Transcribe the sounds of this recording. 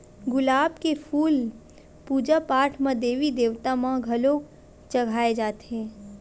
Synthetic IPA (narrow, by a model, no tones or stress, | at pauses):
ɡʊlaːbkepʰuːl | puːd͡ʒapaːʈʰmãd̪eːʋid̪eːʋt̪amãɡʱɐloː | t͡ʃɐɡʱaːed͡ʒaːt̪eɦɛ̃ː